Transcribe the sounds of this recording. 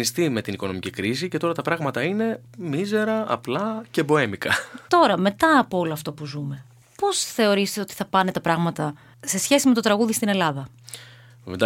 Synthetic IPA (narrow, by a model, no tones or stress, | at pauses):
ist̪ime̞t̪iniko̞no̞micikɾis̬ice̞t̪o̞ɾɐt̪ɐpɾɐɣmɐt̪ɐine̞ | mize̞ɾɐɐ̰plɐce̞bo̞e̞mikɐt̪o̞ɾɐme̞t̪ɐːpoo̞loɐft̪o̞puzume̞ | po̞sθe̞o̞ɾist̪e̞o̞t̪i̥θɐpɐne̞t̪ɐpɾɐɣmɐt̪ɐ | se̞sçe̞sime̞t̪o̞t̪ɾɐɣuðist̪ine̞lɐðɐ̰ | d̪